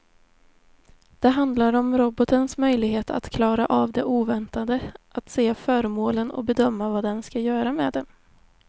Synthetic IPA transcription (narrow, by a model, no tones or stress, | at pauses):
d̪̥ɛɦand̪laɾɔmɾɔbɔt̪ənsmœjlɪɡɦeːt̪a̰t̪kʰlɑːɾaʔavd̪ɛʔuːvɛnt̪ad̪əʔat̪seːfœɾmoːlənɔ̰bɛd̪œmːavad̪ɛnskajœːɾamɛ̰d̪ɛ